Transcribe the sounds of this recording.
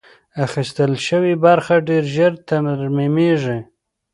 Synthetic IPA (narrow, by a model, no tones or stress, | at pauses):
axist̪əlʃəwibaɾxaɖeɾʒəɾt̪anɾmimeʐe